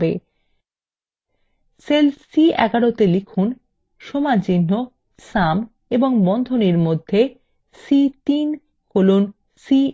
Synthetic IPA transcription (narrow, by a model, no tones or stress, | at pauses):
bḛ | selsiɛ̰ɡaɽot̪elikʰun | ʃomad͡ʑinːo | sam | eboŋbɔnd̪ʱoniɾmod̪ʱːe | sit̪in | kolon | si